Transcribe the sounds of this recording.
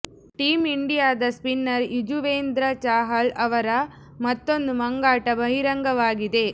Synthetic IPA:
ʈiːmiɳɖijaːd̪ɐspinːɐɾid͡ʒuʋeːnd̪ɾɐt͡ʃaːɦɐlɐʋɐɾɐ | mɐt̪ːo̞nd̪umɐŋɡaːʈɐbʱɐɦiɾɐŋɡɐʋaːɡid̪e̞

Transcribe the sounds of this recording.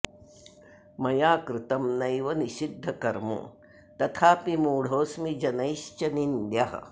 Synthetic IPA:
mɐjaːkɾɪt̪ɐmnɐjʋɐniʃid̪ʱːɐkɐɾmṵ | t̪ɐt̪ʰaːpimuːɽ̤oːsmid͡ʒɐnɐjʃt͡ʃɐnind̪jɐɦɐ̰̆

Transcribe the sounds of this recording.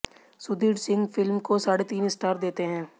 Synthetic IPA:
sʊd̪iːɖsɪ̃ŋɡfɪlmkosaːɽet̪iːnɪsʈaːɾd̪eːt̪eɦɛ̃ː

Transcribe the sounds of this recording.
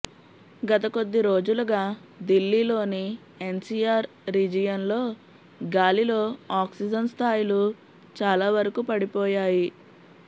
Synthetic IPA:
ɡɐt̪̬ɐko̞d̪ːiɾo̞ːd͡ʒuluɡaː | d̪ilːiːlo̞ːni | e̞nsiaːɾ | ɾid͡ʒijɐnlo̞ː | ɡaːlilo̞ːaːksid͡ʒɐnst̪ʰaːjilu | t͡ʃaːlaːʋɐɾɐkupɐɽipɔːjaːji

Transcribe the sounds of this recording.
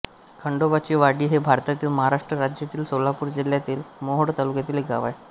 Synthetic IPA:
kʰəɳɖobat͡ɕiːʋaɽiːɦebʱaɾt̪at̪iːlməɦaɾaʂʈɾəɾad͡ʑjat̪iːlsolapuːɾd͡ʑil̤jat̪iːlmoɦoɽt̪alukjat̪iːlek̚ɡaʋaj

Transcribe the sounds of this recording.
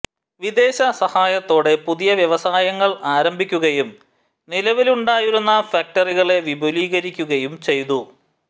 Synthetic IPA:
ʋid̪e̞ːɕɐsɐhaːjɐt̪ːo̞ːɽe̞puðijɐʋjɐʋɐsaːjɐŋːɐɭaːɾɐmbʱikʲːuɣɐjum | nilɐʋiluɳɖaːjuɾunːɐfaːk̚ʈɐriɣɐɭe̞ʋibʱoliːɣɐɾikʲːuɣɐjumt͡ɕe̞jt̪u

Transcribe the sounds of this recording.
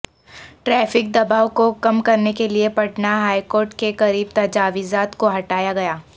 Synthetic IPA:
ʈɾɛːfɪk̚d̪ɐbaːʋkokɐmkɐɾnekeliepɐʈnaɦaːikoːɾʈkekɐɾiːb̚t̪ɐd͡ʒaːʋizaːt̪koɦɐʈaːjaɡɐjaː

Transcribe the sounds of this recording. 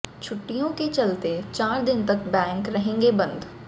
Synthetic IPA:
t͡ʃʰʊʈːijõket͡ʃɐlt̪et͡ʃaːɾd̪ɪnt̪ɐkbɛ̃ːŋkɾɐɦẽːŋɡebɐ̃nd̪

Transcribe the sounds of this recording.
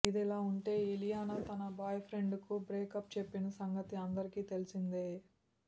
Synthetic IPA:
id̪ɛlaːuɳʈe̞ːilijaːnɐt̪ɐnɐbʱaːjɐpʰɾe̞ɳɖkubɾeːkɐp̚t͡ʃepːinɐsɐŋɡɐt̪iɐnd̪ɐɾikiːt̪e̞lisind̪eː

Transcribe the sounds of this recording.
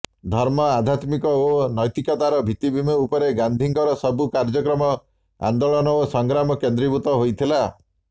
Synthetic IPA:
d̪ʱɔɾmɔad̪ʱjat̪mikɔonɔjt̪ikɔt̪aɾɔbʱit̪ibʱimeupɔɾeɡand̪ʱiŋkɔɾɔsɔbukaɾd͡ʒɔkɾɔmɔ | a̰nd̪oɭɔnɔosɔŋɡɾamɔkend̪ɾibut̪ɔɦojt̪ʰila

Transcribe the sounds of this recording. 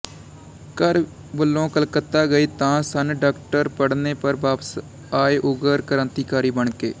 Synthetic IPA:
kəɾ | bəlːõːkəlkət̪ːaːɡəiːt̪ãːsənɖaːk̚ʈəɾpəɽneːpəɾbaːpəs | aːeʔʊɡəɾkəɾə̃nt̪iːkaːɾiːbəɳkḛː

